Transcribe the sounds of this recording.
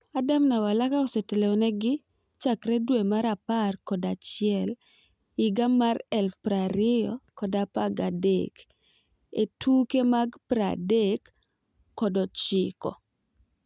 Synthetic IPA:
adamnawalakaɔsetelenɛɡɪ | t͡ʃakɾɛdwemaɾaparkɔdat͡ʃɪɛl | ɪɡamaɾɛlfpɾaɾɪjɔkɔdapaɡadḛk | etʰukemaɡpɾa̰dekː | ɔdɔt͡ʃɪkɔ̰

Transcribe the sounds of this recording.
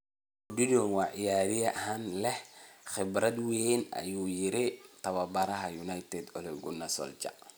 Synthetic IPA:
dɪdɔnwɑːʕɪjaːðɪjɐɦanlɛhχɪbɾɐd̪wenɐ̰juːjɪɾɪt̪ʰɐβɐbɐɾɐɦɐjunajt̪ʰɛd̪ɔ̰lɛɡʊnɐsɔ̰lt͡ʃɐ̰ʔ

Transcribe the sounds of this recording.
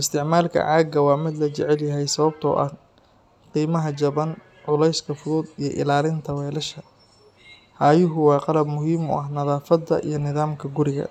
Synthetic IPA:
ʔɪst̪ʰɪʕmaːlkʰɐ̰ʕaːɡɐwɑːmɪd̪lɐt͡ʃɛʕɛljɐɦɛjsɐβɐb̚t̪ʰɔ̰ːʔɐ̰h | qiːmɐɦɐt͡ʃɐβɐn | ʕʊlɛjskʰɐfʊðuːd̪ijɔʔɪ̰laːlɪnt̪ʰɐwɛːlɐʃɐ | haːjʊɦʊwɑːqɑlɐbmʊɦiːmʊ̰ʔɐɦnɐðaːfɐd̪ːɐ̰ʔḭjɞnɪðaːmkʰɐɡʊɾɪɣɐ̰

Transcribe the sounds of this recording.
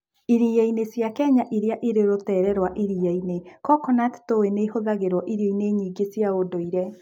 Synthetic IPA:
iɾiainesjakɛɲaʔiɾjaʔiɾeɾotɛːɾɛɾwaʔiɾiɛinekɔkɔnat̪toweneɦoðaɣeɾwɔʔiɾjoineːɲiːɡesjaodoiɾɛ

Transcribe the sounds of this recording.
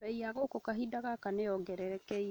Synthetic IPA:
ɛiaɣokokaɦidaɣakanejɔɡɛɾɛɾɛkɛi

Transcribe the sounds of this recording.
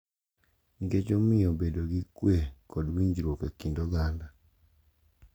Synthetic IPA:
ŋɡet͡ʃomɪobedoɡikwekɔdwiɲd͡ʒiɾokekindoɡanda

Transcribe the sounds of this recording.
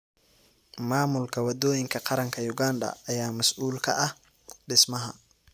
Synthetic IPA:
maːmʊlkʰɐwɐd̪ɔːjɪŋkʰɐqɑɾɐŋkʰɐjʊɡaːnd̪ɐ̰ːjaːmɐsʔuːlkʰɐ̰ʔɐh | ɖɪsmɐɦɐ̰

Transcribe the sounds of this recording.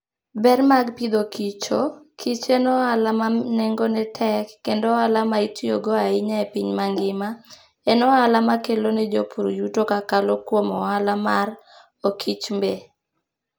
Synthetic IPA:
bɛrmaɡpid̪okit͡ʃokʰit͡ʃɛnɔalamaneŋɡonɛtʰɛkːendɔalamaitioɡɔaɪɲaepiɲmaŋɡɪma | ɛnɔalamakelonɛd͡ʒopʰuɾjutokakalokwomɔalamar | okʰit͡ʃmbe

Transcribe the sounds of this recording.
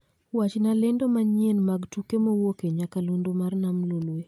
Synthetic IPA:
wat͡ʃnalendomaɲenmaɡtukemowokeɲakalundomarnamlolwe

